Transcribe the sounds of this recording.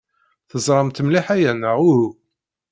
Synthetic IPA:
θəzˤɾˤɑmt̪əmliħæjænəʁʊhu

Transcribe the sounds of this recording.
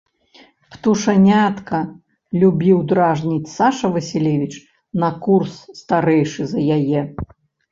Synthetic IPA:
pt̪uʂɐnʲat̪kɐ | lʲubʲiwd̪ɾaʐnʲit͡sʲsaʂɐvɐsʲilʲevʲit͡ʂ | nɐkursːt̪aɾɛjʂɨzɐjajɛ

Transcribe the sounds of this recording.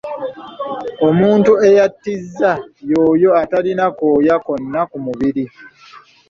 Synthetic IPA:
o̞muːntue̞jatːizːajo̞ːjo̞atalinako̞ːjako̞nːakumuβiɾi

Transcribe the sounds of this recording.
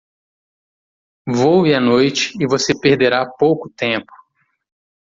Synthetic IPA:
vowɪɐnojt͡ʃɪ̥ːvosepeɾd̪eɾapowkʊt̪ẽpʊ̥

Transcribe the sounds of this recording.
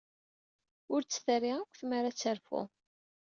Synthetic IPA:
ʊɾt͡sːθəriʁakʷːθmaɾat͡sːəɾfʊ̰

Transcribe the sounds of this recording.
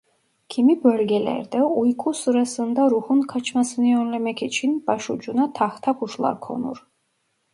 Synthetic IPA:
kʰimibølɡʲɛlɛ̰ɾd̪ɛujkʰusɨɾasɯnd̪aɾuhunkʰat͡ʃʰmasɯnɯønlɛmɛkʰit͡ʃʰinb̥ɑʃud͡ʒunat̪ʰɑht̪ʰakʰuʃlˠɑ̰ɾkʰo̰nṵɾ

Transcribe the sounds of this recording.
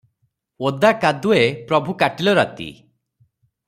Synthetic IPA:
od̪akad̪uepɾɔbʱukaʈilɔɾa̰t̪ḭ

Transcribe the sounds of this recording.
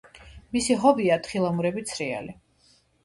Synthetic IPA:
misiɦɔbiat̪χilˠamuɾɛbit̪sʰɾia̰li

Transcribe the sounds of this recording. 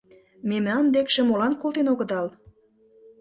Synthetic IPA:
memɑnd̪ekʃĕmolɑnkolˠt̪enoɣə̆d̪ɑl

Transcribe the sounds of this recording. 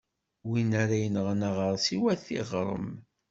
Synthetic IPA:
winaɾajənəʁnaʁəɾˤsiwæθḭʁɾˤə̰m

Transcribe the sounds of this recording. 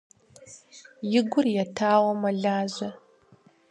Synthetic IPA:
jɪɡʷʊrjatʰaːwɐmɐɮaːʑɐ

